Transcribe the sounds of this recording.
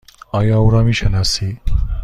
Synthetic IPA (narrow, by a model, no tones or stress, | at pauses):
ajawɾamiʃɐnasi